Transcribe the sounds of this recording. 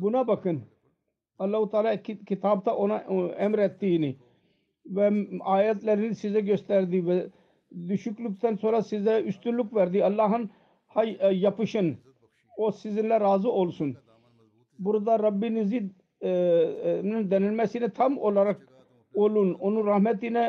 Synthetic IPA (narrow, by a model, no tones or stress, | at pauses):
bunabɐkən | ɐlːaːɦut̪aːlakkɪt̪aːb̚t̪aʔonaɛmɾɛt̪ːini | ʋɛaːjɐt̪lɛɾinsizɛɡost̪ɛɾd̪iʋɛ | d̪uʃukluk̚t̪ʰɐnsʰolasizɛust̪ulukʋɛɾd̪iɐlːaːɦɐn | hɐjɐpiʃɐn | oːsizinlaɾaːzuoːlsun | bʊɾd̪aːɾɐbːinizid̪ | mnɐnd̪ɐnɐnmɛsinɛt̪ʰɐmoːlaɾɐk̚ | oːlunonuɾɐhmɐt̪inɛ